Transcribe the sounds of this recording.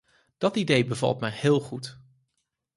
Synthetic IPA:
d̥ɑtidejbəvɑ̰lˠtmɛjhɪːlˠχut

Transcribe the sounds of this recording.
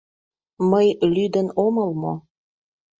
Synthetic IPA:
məjlyd̪ənoməlmo

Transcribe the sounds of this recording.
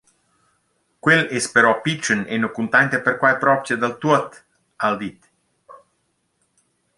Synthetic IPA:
kwelespeɾɔpit͡ʃːənenokunt̪ɛnt̪eperkwajpɾɔpt͡ʃjad̪alt̪uət̪ | ald̪it̪

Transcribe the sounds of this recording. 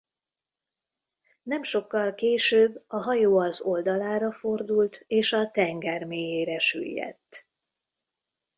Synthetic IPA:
nɛmʃo̞kːɒlkeːʃøːbːɒɦɒjoːɒzo̞ld̪ɒlaːɾɒfo̞rd̪ult̪eːʃɒt̪ɛŋɡɛrmeːjeːɾɛʃy̰jːɛ̰t̪ː

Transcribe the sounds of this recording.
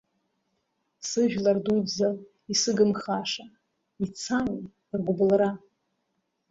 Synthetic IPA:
sɨʒᶣlardujbza | isɨɡɨmχaʂa | it͡sʰami | rɡʷʊblra

